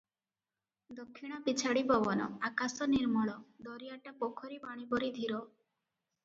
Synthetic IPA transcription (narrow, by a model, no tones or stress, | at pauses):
d̪ɔkʰːiɽ̃ɔpit͡ʃʰaɽibɔbɔnɔ̰akasɔniɾmɔɭɔd̪ɔɾijaʈapɔkʰɔɾibaɽ̃ibɔɾid̪ʱiɾɔ